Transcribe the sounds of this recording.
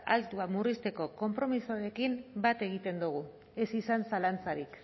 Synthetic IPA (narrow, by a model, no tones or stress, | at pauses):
alt̪uamurist̪e̞ko̞ko̞mpɾo̞misuaɾe̞kimbat̪e̞ɣ̞it̪e̞nd̪uɣ̞u | e̞sisansalant͡saɾik